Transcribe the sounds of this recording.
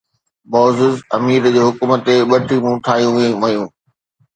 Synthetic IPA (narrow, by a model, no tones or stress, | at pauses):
bɔːzɪzɐ̰miːɾd͡ʑeːɦʊkumət̪eɓɐʈʰimũʈʰaːijũʋiʋɐjũː